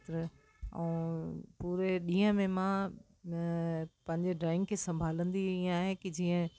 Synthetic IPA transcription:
t̪ɾə | ɛ̰̃ːpuːɾeɗĩːə̃mẽmã | pɐ̃ɦɪ̃ɲd͡ʑeɖɾaːɪ̃ŋɡkʰeːsɐ̃mbʱaːlə̃nd̪iĩaːɦekid͡ʑiːə̃

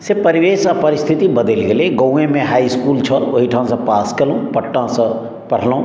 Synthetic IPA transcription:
sepɐɾiʋeːsapɐɾɪst̪ʰit̪ibəd̪elɡeleɡəwẽmẽɦaːiskuːlt͡ʃʰəloɦiʈʰãːsə̃paːskəlũpɐʈːãsɐ̃ | pɐɽ̤lũ

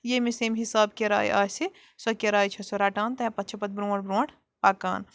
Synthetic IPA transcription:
jemeseːmɦisaːbkeɾa̰ːj̰ʔa̰ːse | sɐkeɾaːjt͡ʃʰɐsɐɾaːʈaːnt̪ɐɦẽpɐt̪ːt͡ʃʰɐpɐt̪̚bɾũːɽbɾõːɽ | paːka̰ːn

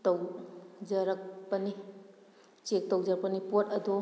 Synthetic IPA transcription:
tɐwd͡ʒɐɾɐk̚pɐni | t͡ʃek̚towd͡ʒɐɾk̚pɐnipotɐd̪ɔ

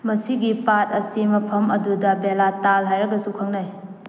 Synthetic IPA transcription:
mɐsiɡipat̚ɐsimɐpʰɐmɐdudɐbelatalɦajɾɐɡɐsukʰɐŋnaj

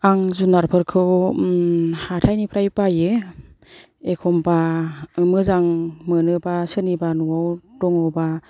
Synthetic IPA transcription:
aŋzunaɾpʰɯɾkʰɯ | hatʰajnipʰɾajpajɯ | ekʰɔmbamɯzaŋmɯnɯbasɯnibanuawdɔŋɔwba

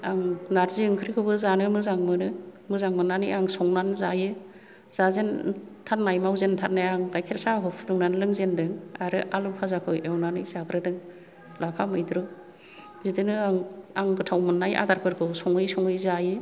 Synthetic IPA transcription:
aŋnaɾziɯŋkʰɾikʰɯbɯzanɯmɯzaŋmɯnɯmɯzaŋmɯnːanɯjaŋsɔŋnanzajɯ | z̥azentʰat̚najmawzentʰat̚najaŋɡajkʰeɾsaɦɔpʰdɯŋnanlɯŋzendɯŋaɾɯʔalupʰazakʰɯwʔewnanɯjzaɡɯɾɯdɯŋ | lapʰamɯjdɾɯ | zidɯnɯaŋaŋɡɯtʰawmɯnːajʔa̰daɾkʰɯɾkʰɯwsɔŋɯjsɔŋɯjzajɯ

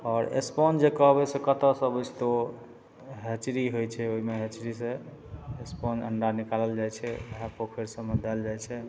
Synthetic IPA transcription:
ɔːɾḛspɔnd͡ʒekəɦbɛsekət̪əsəbəst̪o | ɦet͡ʃɾiɦojt͡ʃʰɛoɦimeɦet͡ʃɾisẽ | espɔnə̰ɳɖaɾnikaləld͡ʒajt͡ʃʰɛɦapokʰeɾsə̃mːed̪ɛld͡ʒajt͡ʃʰɛ

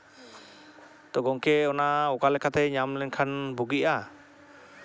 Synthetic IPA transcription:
t̪ɔɡɔŋkɛɔnaɔkalɛkʰat̪ʰɛɲamlɛnkʰanbuɡiʔa

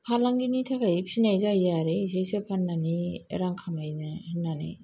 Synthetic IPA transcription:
pʰalaŋɡinitʰakʰajpʰinajzajzaɾeisajsɯpʰanːaniḛɾaŋkʰamajzahɯnːanḛ

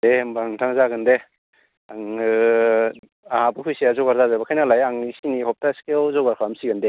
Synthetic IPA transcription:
dembaŋtʰaŋzaɡɯnde | aŋɯ | ahabɯhujseazɔɡaɾzazabakʰajnalajaŋisinihɔp̚taskewzɔɡaɾkʰamsiɡɯnde

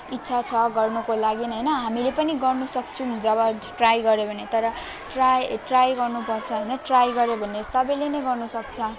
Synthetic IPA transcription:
itːsʰat͡sʰʌɡʌrnukolaɡinɦʌjnʌɦamilepʌniɡʌrnusʌk̚t͡sʰud͡zʌbʌʈrajɡʌɾebʱʌnet̪ʌɾʌ | ʈrajʈrajɡʌrnupʌrt͡sʰʌɦʌjnʌʈrajɡʌɾjobʱʌnːesʌbʌjlenʌjɡʌrnusʌk̚t͡sʰʌ

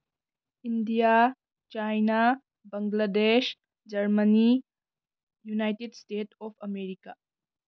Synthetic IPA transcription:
indija | t͡ʃajna | bɐŋɡlades | d͡ʒɐɾmɐni | junajtedstetʰɔpʰɐmeɾika

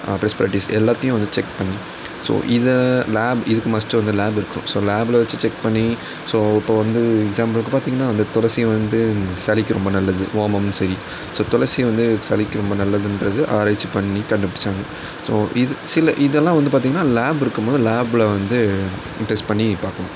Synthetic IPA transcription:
pɾɛspɐɾɪʈːisɛlːaːt̪ːɐjʊ̃ʋɐnd̪ɯt͡ʃɛkpɐɳːi | so̰ːʔɪðɛlaːbɪðɯkːɯmɐsʈːɯʋɐnd̪ɯlaːbɪɾɯkːɐɾʊ̰̃soːlaːblʋɐt͡ʃːɯt͡ʃɛkpɐɳːi | soːɪpːoːʋɐnd̪ɯɛɡsaːmpɐlɯk̬ːɯpaːɾt̪iːŋɡɐnːaːɐnd̪ɐt̪ɔlɐɾsijɐʋɐnd̪ɯsɐlɪkːɯɾʔɔmbɐnɐlːɐðɯ̰ʔoːmɐmsɐɾi | soːt̪ɔlɐɾsɪjɐʋɐnd̪ɯsɐlɪkːɯɾɔmbɐnɐlːɐðɯnɾɐðɯʔaːɾaːɪt͡ʃːipɐɳːikɐɳɖɯpːɪɽɪt͡ʃːaːŋɡɐ | soːʔɪðsɪlɐʔɪðɛlːãːʋɐnd̪ɯpaːɾt̪iːŋɡɐnːaːlaːbɪɾɯkːɯmboːðɯlaːblɐʋɐnd̪ɯ | ʈɛsʈpɐɳːipaːɾkɐɳʊ̃

